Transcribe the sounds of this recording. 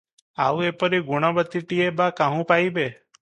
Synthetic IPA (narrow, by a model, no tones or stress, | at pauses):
auepəɾiɡuɽ̃ɔ̃bət̪iʈiebakãɦũpaibe